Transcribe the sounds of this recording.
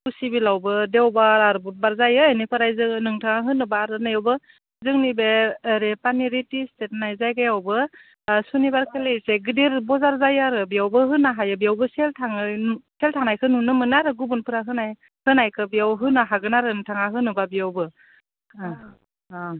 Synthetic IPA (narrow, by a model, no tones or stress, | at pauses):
kusibilawbɯdewbaɾaɾbut̚baɾzajɯːnipʰɯɾajzɯnɯŋtʰaŋaɦɯnɯbaːɾɯnajawbɯ | zɯŋnibeɾepaniɾitistet̚najzajɡajawbɯ | sunibaɾkʰelejseɡɯdiɾbɔzaɾzajaɾɯbiawbɯɦɯnaɦajɯbijawbɯseltʰaŋɯseltʰaŋnajkʰɯnunɯmɯnaɾɯɡubunpʰɯɾaɦɯnaj | hɯnajkʰɯbiawɦɯnaɦaɡɯnaɾɯnɯŋtʰaŋaɦɯnɯbabijawbɯ